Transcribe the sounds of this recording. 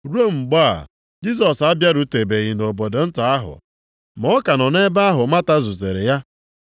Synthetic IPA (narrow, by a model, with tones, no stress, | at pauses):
ɾu˦o˦ŋ͡m̩˨ɡ͡ba˦˨ | d͡ʒi˦s̬ɔ˨sa˦bja˦ɾu˦te˨be˨ɣi˨no˨bo˨do˨n̩˦ta˨a˦ɦʊ̰˨ | mɔ˦ka˨nɔ˨ne˦ba˦a˦ɦʊ˨ma˦ta˦zu˨te˨ɾɪ˨ja˦